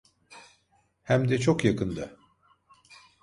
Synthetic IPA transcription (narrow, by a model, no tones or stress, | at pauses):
hæmd̪ɛt͡ʃʰokjakɯnd̪a